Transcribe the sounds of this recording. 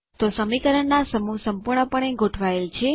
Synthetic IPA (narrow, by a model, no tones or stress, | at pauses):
t̪osəmikəɾəɳːasəmusəmpuɾɳəpəɳeɡʱoʈʰʋaelt͡ʃʰe